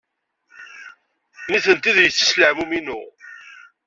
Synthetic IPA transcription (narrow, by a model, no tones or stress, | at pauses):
niθənt̪iðjət͡sːə̥sləʕmuminṵ